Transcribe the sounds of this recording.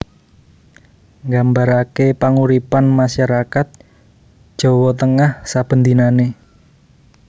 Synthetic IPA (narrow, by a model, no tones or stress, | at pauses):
ŋɡambaɾakepaŋuɾipanmaʃaɾakat̪̚ | ʒ̥ɔ̤wɔt̪əŋahsab̥ə̤nd̪inane